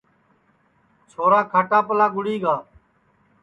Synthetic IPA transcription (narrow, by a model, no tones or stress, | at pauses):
t͡ʃʰoːɾaːkʰaːʈaːpəlaːɡʊɽiːɡaː